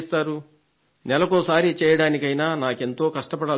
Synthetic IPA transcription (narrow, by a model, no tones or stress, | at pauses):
st̪aːɾu | nɛlɐkoːsaːɾit͡ʃɛːjɐɽaːnikɐjnaːnaːke̞nt̪o̞ːkɐʂʈɐpɐɽaː